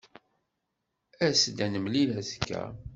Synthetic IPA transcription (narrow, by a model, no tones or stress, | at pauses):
æsd̪ænəmlilæskːæ̰